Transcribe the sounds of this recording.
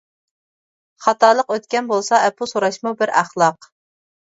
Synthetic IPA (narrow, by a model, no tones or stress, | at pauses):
χɑt̪ɑːlˠəqøt̪kʲɛnbolˠsɑɛpʰusoɾɑʃmubɪɾæχlˠɑq